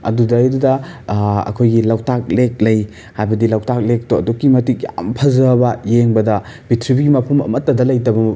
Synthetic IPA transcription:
ɐ̰dudɐjdudɐ | ɐ̰kʰojɡilɐwtak̚lek̚lɐj | hajbɐdilawtak̚lek̚toɐdokːimɐtik̚ɐ̰mpʰɐzɐbɐjeŋbɐdɐbitʰɾibiɡimɐpʰɐmɐ̰mɐtːɐdɐlɐjt̬ɐbɐ

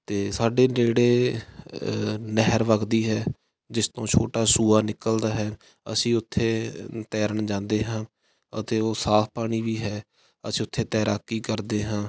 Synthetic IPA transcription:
t̪eːsaːɖeːd͡ʒeːɽeː | nəɦəɾʋəɡd̪iːɦɛː | d͡ʒɪst̪õːt͡ʃʰoːʈaːsuːaːnɪkəld̪aːɦɛː | ə̰sĩːʊt̪ʰːeːt̪ɛːɾəɳd͡ʒãːnd̪eːɦãː | ə̰t̪eːoːsaːpʰpaːɽ̃iːʋiːɦɛː | əsĩːʊt̪ʰːeːt̪ɛːɾaːkːiːkəɾd̪eːɦãː

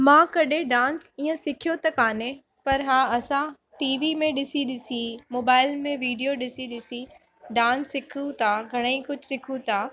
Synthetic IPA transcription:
mãːkɐɗeɖãːnsiːə̃sɪkʰijot̪ɐkaːne | pɐɾɦaːɐsã | ʈiːʋimẽɗɪsiɗɪsimoːbaːɪlmẽʋiːɖijoɗɪsiɗɪsi | ɖãːnsːɪkʰũt̪ʰaɡʱɐɽ̃əĩkʊd͡ʒʱsɪkʰũt̪ʰaː

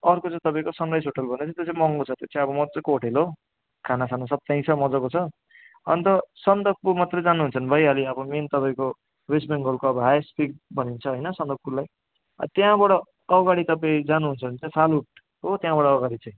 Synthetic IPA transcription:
ʌrkot͡sãt̪ʌpaĩkosʌnrajsɦoʈʌlbʱʌnet͡sʰʌt̪jet͡sãĩmʌŋɡot͡sʰʌt̪ot͡saj̃ʌbʌmʌt͡sʌkooʈʰelo | kʰanasanosʌb̚t̪aĩt͡sʰʌmʌd͡zʌkot͡sʰʌ | ʌnt̪ʌsʌnd̪ʌk̚pumat̪rʌd͡zanuɦunt͡sʰʌnbʱʌjaliʌbʌment̪ʌpaĩko | wesbeŋɡolkoʌbaspik̚bʱʌnint͡sʰʌɦojnʌsʌnd̪ʌk̚pulaj | ʌ̰t̪jãbʌɽʌː | ɡaɽit̪ʌpaĩd͡zanuɦunt͡sʰʌnt͡saĩpʰaluʈ̚ | ɦot̪jãbʌɽʌːɡaɽit͡sãĩ

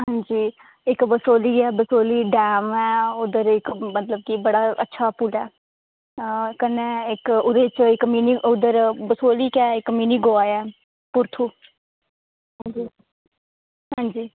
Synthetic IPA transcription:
ɦãːɲd͡ʒiː | ɪkbəsoːliːɛːbəsoːliːɖɛːmɛːʊd̪əɾɪkmət̪ləb̚kibəɽaːʔə̰tːʃʰaːpulɛː | kənːeːɪkʊd̪ət͡ʃɪkmiːniʊd̪əɾbəsoːliːkɛːɪkmiːniːɡoːaːɛː | pʊɾt̪ʰuː | ɦãd͡ʒiː | ɦãːɲd͡ʒiː

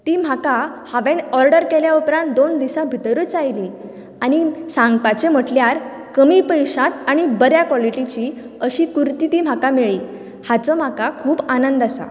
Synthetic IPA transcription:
t̪iːm̤akahaʋẽnɔɾɖəɾkɛljaupɾãnt̪̚d̪ond̪isãbʱit̪əɾəːt͡sajliː | añisãŋɡpat͡ɕem̤əʈljaɾ | kəmiːpəjɕãt̪aɽ̃ibəɾjakʋɔliʈit͡ɕi | əɕiːkuɾt̪it̪iːm̤akameɭiː | hat͡sɔm̤akakʰuːbanənd̪asa̰

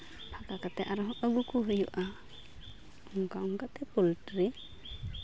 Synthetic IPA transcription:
pʰakakat̪ɛʔaɾɔɦɔʔɔɡukuɦujuʔa | ɔŋkaɔŋkat̪ɛpultɾi

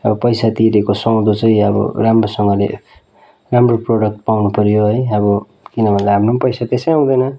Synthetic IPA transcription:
ʌbʌpʌjsat̪iɾekosʌw̃d̪ot͡sʌĩʌbʌ̰ramrosʌŋɡʌlḛ | ramroproɽʌk̚ʈ̚pawnupʌɾjoɦʌjʌbʌ | kinʌbʱʌnlaamrompʌjsat̪esʌjaw̃d̪ʌjnʌ

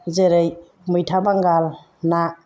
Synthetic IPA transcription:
zeɾej | mɯjtʰabaŋɡal | na

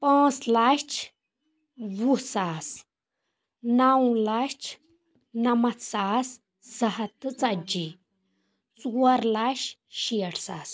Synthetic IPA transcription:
pãːt͡slat͡ʃʰ | wusaːs | nawũlaʃt͡ʃʰ | nɐmɐt̪ʰsaːs | z̥ɐɦɐt̪ɨt͡sɐd͡ʒi | t͡suɐɾlaːʃʃiɐʈʰsaːs

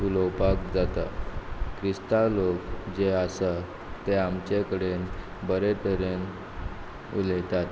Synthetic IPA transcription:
uləwpakd͡zat̪akʰɾist̪alokd͡ʑeasə | t̪eamt͡ɕekəɽen | bəɾet̪əɾen | ṵlejt̪at̪

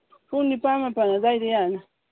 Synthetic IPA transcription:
punipamapanazaiɾijana

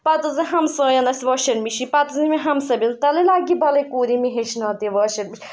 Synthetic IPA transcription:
pɐt̪ɨziɦɐmsɔːjɐnɐsʲʋɔʃɐɾmiʃipɐt̪ɐzimiɦɐmsɐbɐnt̪ɐlilaɡibɐlɐjkuːɾimiɦeʃnɐːt̪iʋɔʃɐɾmiʃi

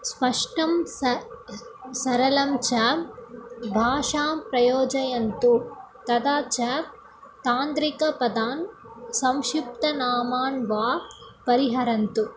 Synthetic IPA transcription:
spɐʂʈɐm | sɐɾɐlɐmt͡ʃɐ | bʱaːʂaːmpɾɐjoːd͡ʒɐjɐnt̪u | t̪ɐd̪aːt͡ʃɐ | t̪aːnd̪ɾikɐpɐd̪aːn | sɐmʃip̚t̪ɐnaːmaːnʋaːpɐɾiɦɐɾɐnt̪u

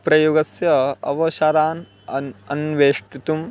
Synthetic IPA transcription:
pɾɐjuɡɐsjɐɐ̰ʋɐʃɐɾaːn | ɐnʋeːʂʈut̪um

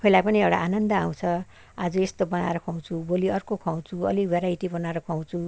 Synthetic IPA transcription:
kʰʌilajpʌniewɽa̰anʌnd̪ʌaw̃t͡sʰʌ | ad͡zʌest̪obʌna̰eɾʌkʰaw̃t͡sʰuboliʌrkokʰaw̃t͡sʰuʌ̰libʱeɾait̪ibʌnaɾʌkʰaw̃t͡sʰu

